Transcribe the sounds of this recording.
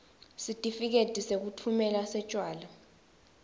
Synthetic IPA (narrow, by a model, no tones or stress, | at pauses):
sitʼifik̬etʼisek̬utʰumɛlasɛt͡ʃʼwaːla